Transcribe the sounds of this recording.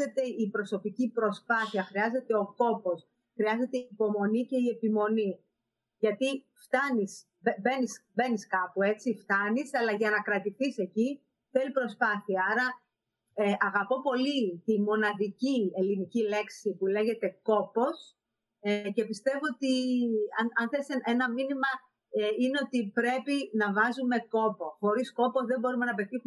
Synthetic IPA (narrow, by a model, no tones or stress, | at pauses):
e̞t̪e̞ipɾo̞so̞picipɾo̞spɐθiɐxɾiɐze̞t̪e̞o̞ko̞po̞s | xɾiɐze̞t̪eiːpo̞mo̞nice̞ie̞pimo̞ni | ʝɐt̪i | ft̪ɐnis | be̞nisbeniskɐpue̞t͡sift̪ɐnisɐlɐʝɐnɐkɾɐt̪iθise̞ci | θelipɾo̞spɐθiɐɐɾɐ | ʔɐɣɐpo̞po̞lit̪imo̞nɐðicie̞linicile̞ksipule̞ʝe̞t̪e̞ko̞po̞s | ce̞pist̪e̞voot̪iɐnɐnθeseenɐminimɐ | ine̞ot̪ipɾe̞pinɐvɐzume̞ko̞po̞xo̞ɾisko̞po̞zðe̞mbo̞ɾume̞nɐpe̞t̪ixu